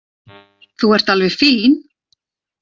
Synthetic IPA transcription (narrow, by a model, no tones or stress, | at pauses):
θuɛr̥t̪alvɛ̥fiːn